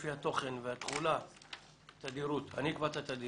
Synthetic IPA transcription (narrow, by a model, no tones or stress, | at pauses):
fihat̪o̞χe̞nveat̪χula | t̪ad̪iɾut̪a̰nikbat̪at̪ad̪i